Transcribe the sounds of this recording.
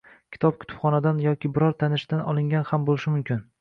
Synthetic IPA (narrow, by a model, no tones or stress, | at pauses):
kʲʰɪ̥t̪ʰɒp̚kʲʰʊ̥t̪ʰʊ̥pχɒnad̪anjɒkʲɪbɪɾɒɾt̪ʰanɪʃd̪anɒlˠɪŋɡʲanhambolɪʃɪmʊmkʲʰɪn